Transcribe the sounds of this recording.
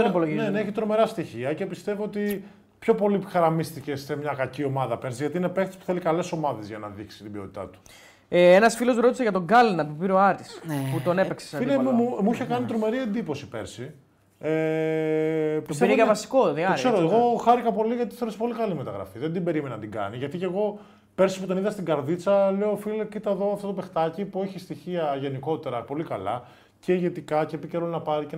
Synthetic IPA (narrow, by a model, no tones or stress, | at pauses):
onipoloʝineneeçit̪ɾo̞me̞ɾɐst̪içiɐce̞pist̪e̞voot̪i | pço̞po̞lixɐɾɐmist̪icesemɲɐkɐcio̞mɐðɐpeɾsizʝɐt̪iinepekt̪e̥spu̥θelikɐle̞so̞mɐðe̞zʝɐnɐðiksi̥t̪ibiot̪i̥t̪ɐ̰t̪u̥ | eenɐsfilo̞zɾo̞t̪i̥seʝɐt̪o̞ɡɐlinɐt̪upiɾoɐɾt̪isput̪o̞nepekse̥sɐemumuiçe̞kɐnit̪ɾo̞me̞ɾie̞nd̪ipo̞si̥pḛɾsi | e | psɾjɐvɐsi̥koðiɐokse̞ɾoeɣo̞xɐɾikɐpo̞liʝɐt̪i̥θeoɾespo̞likɐlime̞t̪ɐɣɾɐ̰fiðend̪ibe̞ɾimenɐnɐt̪iɡɐ̰niʝɐt̪ice̞ɣo̞ | pe̞ɾsipot̪o̞niðɐst̪iɡɐɾðit͡sɐle̞oofilcit̪ɐeðo̞ɐft̪oope̞xt̪ɐcipueçist̪içiɐʝe̞niko̞t̪e̞ɾɐpo̞likɐlɐ̰ | ce̞ʝe̞t̪ikɐcepiceɾolnɐpɐɾice